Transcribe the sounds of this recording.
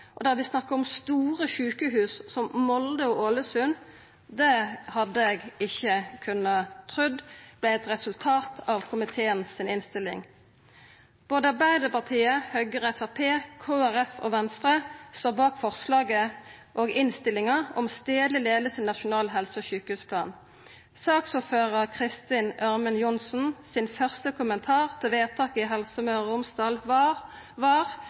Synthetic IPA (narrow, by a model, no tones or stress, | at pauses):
ʔɔd̪æʁʋɪsnɑkːəɔmst̪uːʁəçʉːkəɦʉːssɔmmɔld̪əoːʔoləsʉn | d̪ɛhɑd̪ːəɛɡɪçəkʰʉnːɑt̪ʰʁʉd̪b̥lɛɛt̪ʁɛsʉlt̪ʰɑːt̪ʰɑʋkʰʊmɪt̪ʰeːənsɪnɪnst̪ɪlɪ̰ŋ | b̥oːd̪əɑbæɪd̪əpɑʁt̪ʰiːəhœʏɡəʁəɛfæpʰeːkʰoːæʁɛfo̰ːʋɛnst̪ʁəst̪oːbɑːkfɔʁslɑːɡə | ʔoːɡɪnst̪ɪlɪŋɑɔ̰mst̪eːd̪lɪleːd̪əsɪnːɑʃʊnɑːlɦɛlsəɔːçʉːkəhʉːspʰlɑ̰ːn | sɑːksuːføːʁəʁkʰʁɪst̪ɪnʔœʁmənjʊnsn̩sɪnfœʁst̪əkʰʊmənt̪ʰɑːʁt̪ʰɪlʋeːt̪ʰɑːkəɪɦɛlsəmøːʊmsd̪ɑːlʋɑ | ʋɑːʁ